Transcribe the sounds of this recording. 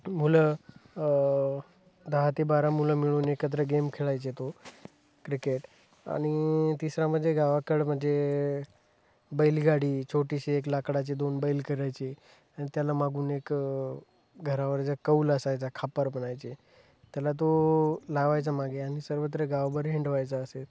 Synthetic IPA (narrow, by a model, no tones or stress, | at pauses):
mulə | d̪aɦat̪ibaɾamuləmiɭuːnekət̪̬ɾəɡemkʰeɭajt͡set̪o | kɾikeʈ | a̰ɽ̃it̪isɾaməd̪ʱːeɡaʋakəɽm̤əɳd͡ze | bəilɡaɽiːt͡ɕʰoʈiɕeek̬lakɽat͡ɕed̪onbəilkəɾajt͡ɕe | aɽ̃it̪jalamaɡuːnek | ɡʱəɾaʋəɾd͡zəkəuːləsajt͡sakʰapəɾbənajt͡se | t̪jalat̪̬olaɡʋajt͡samaɡeaɽ̃isəɾʋət̪̬ɾəɡaʋbəɾɦiɳɖʋajt͡saəse